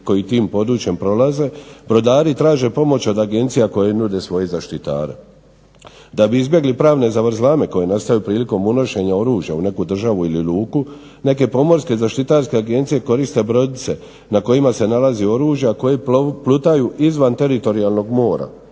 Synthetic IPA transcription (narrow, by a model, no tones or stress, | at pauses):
ko̞jit̪iːmpo̞d̪ɾut͡ɕje̞mpɾo̞laze̞bɾo̞d̪aːɾit̪ɾaːʒe̞po̞mo̞t͡ɕo̞d̪aɡe̞nt̪sijako̞jenud̪e̞sʋo̞jezaʃt̪it̪a̰ːɾḛ | d̪abiizbje̞ɡlipɾaːʋne̞zaʋɾzlaːme̞ko̞je̞nast̪ajupɾiːliko̞muno̞ʃe̞ɲao̞ɾuːʒja̰une̞kud̪r̩ʒaʋuililuːku | ne̞ke̞po̞mo̞ɾske̞zaʃt̪it̪aːɾske̞aɡe̞nt̪sije̞ko̞ɾist̪e̞bɾo̞d̪it̪se̞ | nako̞imase̞nalazio̞ɾuːʒjako̞jeplut̪ajuʔizʋant̪e̞ɾit̪o̞ɾialˠno̞ɡmo̞ːɾa̰